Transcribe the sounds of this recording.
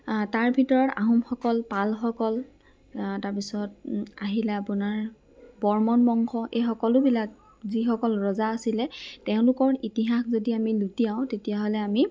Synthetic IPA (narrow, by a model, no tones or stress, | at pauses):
taɹbʱitɔɹɔta̰ɦumxɔkɔlpalxɔkɔl | taɹpisɔt̚aɦilɛapunaɹ | bɔɹmɔnbɔŋxɔʔejxɔkɔlʊbilak̚ | zixɔkɔlɹɔzaːsilɛtɛʊ̃lʊkɔɹitiɦaxzodiamilutijaʊ̃tetijaɦolɛami